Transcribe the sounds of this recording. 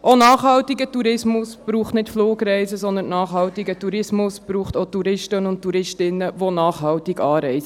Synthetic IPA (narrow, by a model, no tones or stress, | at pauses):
ʔonɑːχhɑltiɡətuɾɪsmʊsb̥ɾuːχtnɪtfloːɡɾɛɪzəsɔnd̪ənnːɑːχɦɑltiɡətuɾɪsmʊsb̥ɾuːχtotuɾɪʃtənʊnttːuɾɪʃtɪnːəʋonɑːχɦɑltiɡɑːɾɛɪsə